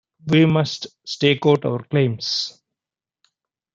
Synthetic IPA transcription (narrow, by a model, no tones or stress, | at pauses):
ʋiːmʌsʈsʈeːkaʊʈa̰ʋəɾklẽːms